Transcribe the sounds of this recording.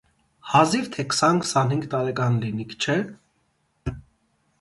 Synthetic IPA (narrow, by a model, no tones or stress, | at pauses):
hɑziɾt̪ʰɛkʰə̥sɑnkʰə̥sɑnhiŋɡt̪ɑɾɛkɑnlinikʰt͡ʃʰɛ